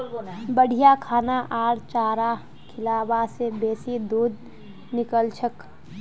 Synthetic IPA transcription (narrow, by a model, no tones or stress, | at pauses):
bəɽ̤ʱijakʰaːnaʔaːɾt͡ʃaːɾa | kʰɪlaːbasebeːsid̪uːd̪ | nɪkəlt͡ʃʰək